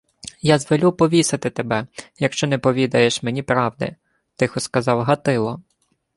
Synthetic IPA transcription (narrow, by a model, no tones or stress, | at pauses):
jazʋɔlʲupɔʋʲisɪt̪ɪt̪ebɛjɐkʃt͡ʃɔnɛpɔʋʲid̪ɐjeʃmenʲipɾɑwd̪ɪ̰ | t̪ɪxɔskɐzɑwɦɐt̪ɪlˠɔ